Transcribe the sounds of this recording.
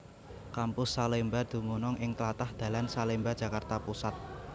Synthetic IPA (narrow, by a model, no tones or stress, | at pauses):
kampʊsːalembad̪̥ṳmunɔŋɪŋt̪əlat̪ahd̪̥ä̤lansalembḁd͡ʒ̥ä̤kart̪apusat̪̚